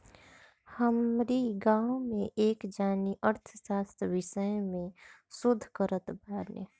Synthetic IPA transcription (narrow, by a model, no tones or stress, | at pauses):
həmɾiɡãːwmẽʔeːkd͡ʒaːniʔəɾt̪ʰəsaːst̪ʰʋɪʃəjmẽ | sʊd̪ʱːkəɾət̪bʱaːɾnjə